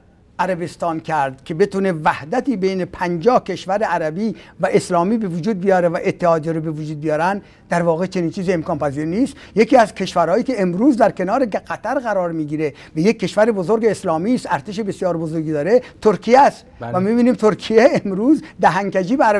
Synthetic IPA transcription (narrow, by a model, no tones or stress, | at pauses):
ʔæɾæbe̞st̪ɒːnkʰæɾd̪̥kʰʲe̞be̞t̪uːne̞væhd̪æt̪iːbejne̞pʰænd͡ʒɒːhkʰe̞ʃvæɾeæɾæbiːvæʔeslɒːmiːbe̞vod͡ʒuːd̪̚bijɒːɾevæʔet̪ʰːehɒːd̪jeɾobevod͡ʒuːd̪̚bijɒːɾænd̪ | d̪æɾvɒːɣe̞t͡ʃʰe̞niːnt͡ʃʰiːziemkɒːnpæziːɾniːst̪ | jekiːæzkʰe̞ʃvæɾhɒːjiːke̞emɾuːzd̪æɾkʲe̞nɒːɾeɢæt̪ʰæɾɣæɾɒːɾmiːɡiːɾe̞ | væjekʰːe̞ʃvæɾebozoɾɡeːslɒːmiːst̪æɾt̪ʰeʃebesjɒːɾbozoɾɡiːd̪ɒːɾet̪ʰoɾkʰijæst̪væmibiːniːmt̪ʰoɾkʰijeemɾuːzd̪æɦæŋkæd͡ʒiːbeæɾæ